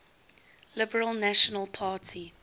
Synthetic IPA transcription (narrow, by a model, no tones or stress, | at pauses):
lɪbəɹəlˠnæʃɔnəlˠpʰaːtʰi